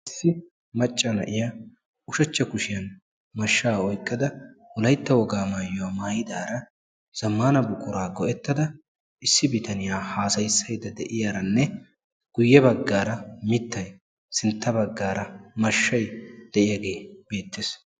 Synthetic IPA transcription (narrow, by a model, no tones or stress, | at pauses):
ʔɪsːɪ | mɐt͡ʃʼːɐnɐ̰ʔɪjaː | ʊʃɐt͡ʃːɐkʊʃɪjɐn | mɐʃːaːɔjkʼːɐd̪ɐwɔlɐjt̪ːɐwɔɡaːmaːjɔwaːmaːjɪd̪aːɾɐ | z̥ɐmːaːnɐbʊkʼːʊɾaːɡɔʔɛt̪ːɐd̪ɐ | ʔɪsːɪbɪt̪ɐnɪjaːhaːsɐjsːɐjd̪ɐd̪ɛʔɪjaːɾɐnːɛ | ɡ̥ʊjːɛbɐɡːaːɾɐmɪt̪ːɐj | sɪnt̪ːɐbɐɡːaːɾɐmɐʃːɐjd̪̥ɛʔɪjaːɡe̞ːbe̞ːt̪ːeːs